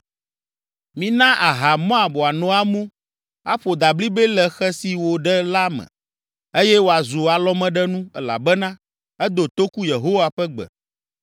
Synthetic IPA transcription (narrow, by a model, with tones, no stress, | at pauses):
mĩ˦nã˦ʔa˨ɦa˨mɔ̃˦a˨bɔ˨a˨nɔ̃˦a˦mõ˦ | a˦ɸo˨d̪a˨bli˦bɛ˦lɛ˨xɛ˦si˨wo˨ɖɛ˦la˦mɛ̰̃˨ | e˦jɛ˦wo˨˦a˨zu˨a˨lɔ˦mɛ̃˦ɖɛ˦nũ˦ɛ˦la̰˨bɛ˦nã˦ | ɛ˦d̪o˨t̪o˦ku˦je˨ɦo˦wa˨ɸɛ˦ɡ͡bɛ̰˨